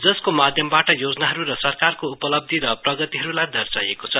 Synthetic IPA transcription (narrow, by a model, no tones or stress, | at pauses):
d͡zʌskomad̪ʱjʌmbaʈʌjod͡zʌnaɦʌɾuɾʌsʌrkarkoupʌlʌb̚d̪ʱiɾʌprʌɡʌt̪iɦʌɾulajd̪ʱʌrsajekot͡sʰʌ